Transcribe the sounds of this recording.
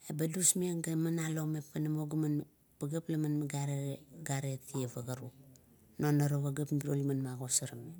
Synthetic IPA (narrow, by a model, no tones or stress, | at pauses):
ebadusmiaŋɡamanalomepːanamoɡaman | baɡaplamanmiɡaɾeɡaɾetievaɡaɾu | nonaɾoɡaɡapmbiɾolimanmaɡosaɾame